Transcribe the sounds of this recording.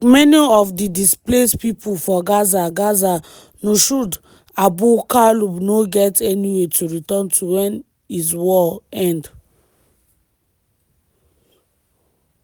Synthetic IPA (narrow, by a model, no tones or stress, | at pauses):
mɛniɔfdidisplespipufɔɡazaɡaza | noʃud | abukalubnoɡɛtɛniwetʰuɹitɔ̃ntʰuwɛ̃n | izwɔɛ̃nd